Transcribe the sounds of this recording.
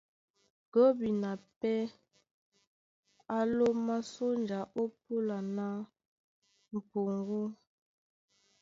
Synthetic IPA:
ɡ̥o˦bi˨na˨pɛ˦ | a˦lo˦ma˦so˦nd͡ʒa˨ʔo˦pu˦la˨na˦ | m̩˨po˨ŋ˦ɡo˦

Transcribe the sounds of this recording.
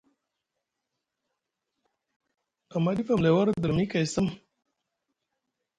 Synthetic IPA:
a˨ma˦di˦fa˨mle˨wa˦ɾd̪ə˨ɾmi˦ka˨jsə˦m

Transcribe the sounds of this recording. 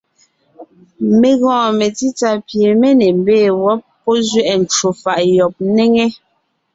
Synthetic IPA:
me˨ɣɔ̃ː˨me˨ti˦ta˦pje˨me˦ne˨m˦beː˦˨wɔ˦pːɔ˦zɥɛ˦ʔn̩˨t͡ʃu˨fa˨ʔjɔ˨p̚ne˦ŋe˦

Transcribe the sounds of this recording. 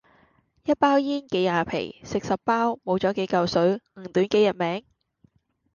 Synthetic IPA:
jɐ˥t̚paː˥wjiː˥nke˨˥jaː˨˩pʰḛ˨˩jsɪ˨k̚sɐ˨ppːaː˥wmo˨˧wt͡sɔː˨˥ke˨˥jkɐ˨˧wsɵ˨˥ɥŋ̩˨˩ŋt̪yː˨˥nke˨˥jɐ˨˩t̚mɛː˨˥ŋ

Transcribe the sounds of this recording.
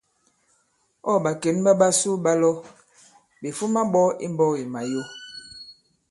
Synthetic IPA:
ɔ˦˨ɓa˨ke˨˦nɓa˦ɓa˦su˦ɓa˦lɔ˦ | be˨fu˦ma˦ɓɔ˦ḭ˦m˦bɔ˦˨i˨ma˨jo˦

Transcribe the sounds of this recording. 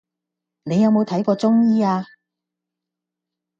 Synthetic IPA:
ne˨˧jɐ˨˧wmo˨˧wt̪ʰɐ˨˥jkɔː˧t͡sʊ˥ŋjiː˥aː˧

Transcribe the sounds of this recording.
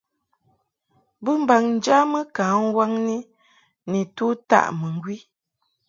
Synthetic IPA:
bə˦m̩˦ba˨ŋn̩˨˦d͡ʒa˦mə˦kaː˨˦ŋ˦wa˦ŋni˦ | ni˨tu˦ta̰˦˨ʔmə˨ŋ˨ɡwi˦

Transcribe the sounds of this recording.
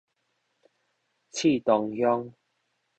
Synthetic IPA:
t͡ɕʰi˥˧˨t̪ɔ˨ŋhjɔ˦ŋ

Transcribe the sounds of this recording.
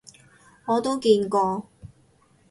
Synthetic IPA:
ŋɔː˨˧t̪o˥wkiː˧nkɔː˧

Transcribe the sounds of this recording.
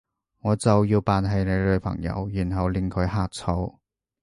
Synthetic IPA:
ŋɔː˨˧t͡sɐ˨wjiː˧wpaː˨nɦɐ˨˧jne˨˧jlɵ˨˧˥pʰɐ̰˨˩ŋjɐ̰˨˥wjyː˨˩nɦɐ˨wlɪ˨˩ŋkʰɵ˨˧˥ɥɦaː˨k̚t͡sʰo˨˧˥w

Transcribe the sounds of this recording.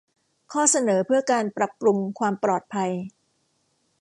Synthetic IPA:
kʰɔː˥˩sa˧nɤː˩˦pʰɯ˥˩ɐkaː˧npɾa˨˩p̚ɾu˧ŋkʰwaː˧mpɾɔː˨˩t̪̚pʰa˧j

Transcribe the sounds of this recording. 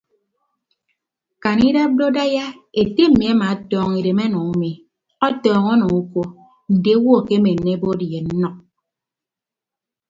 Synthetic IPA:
ka˨ni˦ɾa˦b̚do˦da˦ja˦ | e˨te˦m̩˦mi˨a˦ma˨˦tɔː˦ŋi˨ɾe˨me˦nɔ˨ŋu˦mi˨ | ɔ˦tɔː˦ŋɔ˦nɔ˨u˦ko˦ | n̩˨de˦wɔ˦˨ke˦me˨n̩˨ne˦bo˦di˨e˨n̩˦nɔ˦k̚

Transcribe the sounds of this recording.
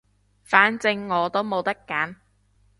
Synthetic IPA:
faː˨˥nt͡sɪ˧ŋːɔː˨˧t̪o˥wmo˨˧wt̪ɐ˥kːaː˨˥n

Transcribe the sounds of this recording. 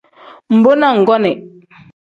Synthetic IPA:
m̩˨bo˦na˦˨ŋ̩˨ɡɔ˦nɛ˨ʔ

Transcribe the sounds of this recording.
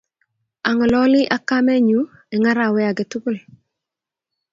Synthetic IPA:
a˨ŋɔ˨lɔ˦lɪ˦ʔa˦ka˦mɛ˦ɲu˨˦ | ɛ˨ŋa˦ɾa˨wɛ˦a˨ɡɛ˨tu˦bo˦l

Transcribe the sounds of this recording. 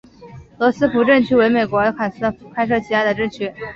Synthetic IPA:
lɔ˧˥sɹ̩˥pu˧˥ʈ͡ʂə˥˧nt͡ɕʰy˥˧we˧˥ɪme˨˩ɪkwɔ˧˥ə˧˥kʰa˨˩sɹ̩˥˧˥kʰa˥ɪʂ̬ɤ˥˩t͡ɕʰi˧˥a˥d̪ə˩ʈ͡ʂə˥˩˧nt͡ɕʰy˥˩

